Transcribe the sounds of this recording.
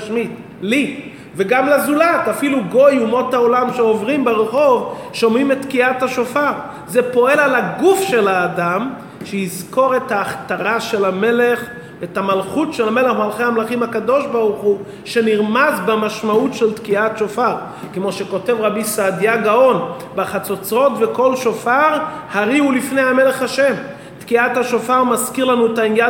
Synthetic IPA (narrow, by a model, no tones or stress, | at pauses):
ʃmit | li | veɡamlazulatafiluɡo̞jumo̞tao̞lamʃeovʁimbeʁeχo̞vʃo̞mimet̪kiathaʃofaʁ | zepo̞e̞lalaɡufʃe̞laːdam | ʃejizko̞ʁe̞thaːχtaʁaʃe̞lame̞le̞χ | etamalχutʃe̞lame̞leχmalχejhamlaχimhakado̞ʃbaʁuχu | ʃe̞niʁmazbemaʃmautʃe̞lt̪kiatʃofaʁ | kemo̞ʃeko̞te̞vʁabisadjaɡao̞n | baχat͡so̞t͡sʁo̞tve̞ko̞lʃo̞faʁ | haʁiulifnejhame̞le̞χaʃe̞m | t̪kiathaʃo̞faʁmazkiʁlanuetainja